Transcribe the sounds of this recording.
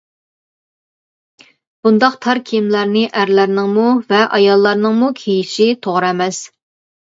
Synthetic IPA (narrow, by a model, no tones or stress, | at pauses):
b̥und̪ɑqt̪ʰɑɾkʲʰimlæɾnɪʔæɾlæɾnɪŋmuvɛʔɑjɑlˠːɑɾnɨŋmukʲʰejiʃit̪ʰoʁɾɛmɛs